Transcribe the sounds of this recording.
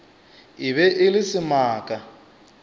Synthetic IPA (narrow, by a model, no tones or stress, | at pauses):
ɪβɛʔɪlɪsɪmaːkʼa